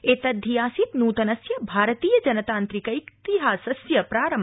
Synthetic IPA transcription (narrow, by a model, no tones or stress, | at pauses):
eːt̪ɐd̪ʱːijaːsit̪nuːt̪ɐnɐsjɐbʱaːɾət̪iːjɐd͡ʒɐnɐt̪aːnt̪ɾikɐikt̪iɦaːsɐsjɐpɾaːɾɐm